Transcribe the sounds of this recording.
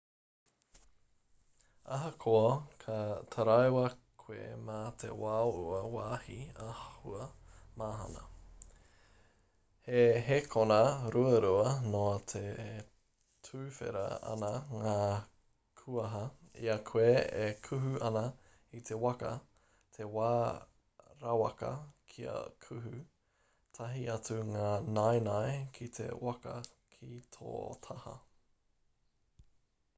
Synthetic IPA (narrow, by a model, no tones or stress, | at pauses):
ɐɦɐkʰoɐkʰɐt̪ʰɐɾajwɐkʰwḛmat̪ʰḛwaouɐwaːhiahahuɐmaːɦɐ̰nɐ̰ | heɦekʰonɐɾuɐɾuɐnot̪ʰe | tʰʉːfḛɾɐ̰ɐ̰naŋaː | kʰuɐɦɐḭɐkʰweekʰʉɦʉʔɐnɐ | it̪ʰe̞wɐkɐ | t̪ʰe̞waː | ɾawɐkɐ̰kʰiɐ̰kʰʉɦʉ | tʰɐɦiɐt͡suŋaːnajnaekʰit̪ʰe̞̰wɐkɐ̰ | kʰit̪ʰo̰ːt̪ʰɐhɐ̰